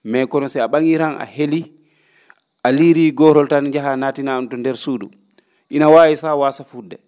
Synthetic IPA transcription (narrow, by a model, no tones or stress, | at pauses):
mɛkɔnɔsɛaɓaŋiɾanʔa̰heli | ʔaliɾiɡɔɾɔltanɲd͡ʒaɦanaːtinantɔndɛɾsuːɗṵ | ʔinawaːjisawasafudːɛ